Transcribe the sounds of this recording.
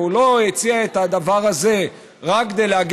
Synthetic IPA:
ulo̞jet͡siaet̪ad̪avaʁaze̞ | ʁakːd̪ejleaɡ

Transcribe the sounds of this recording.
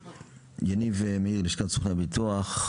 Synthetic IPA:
janivemeiʁliʃkasuχnabit̪uaχ

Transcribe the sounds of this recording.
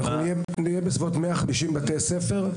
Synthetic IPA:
naχnunije | nijebesvotmeaχamiʃimbatejsefe̞ʁ

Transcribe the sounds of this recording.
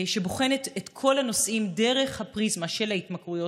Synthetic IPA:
ʃe̞boχe̞netetkʰo̞lano̞sʔimde̞ʁeχhapʁizmaʃe̞lhaitmakʁujo̞

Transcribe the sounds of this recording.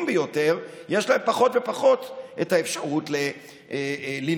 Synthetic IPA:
mbejo̞te̞ʁjeʃlaempaχo̞tve̞paχo̞t̪ʔetaefʃaʁutle | li

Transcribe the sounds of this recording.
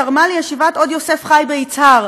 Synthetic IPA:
aʁmalejeʃivat̪o̞d̪jose̞fχajbeit͡saʁ

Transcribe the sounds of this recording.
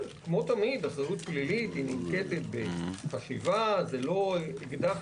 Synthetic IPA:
kmo̞t̪amid̪aχzaut̪̚plilit̪hinimket̪et̪̚beχaʃḭvazelo̞iɡd̪aχ

